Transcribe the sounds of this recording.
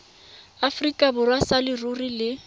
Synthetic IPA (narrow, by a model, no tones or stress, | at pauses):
afrikʼabʊrwasalɪrurilɪ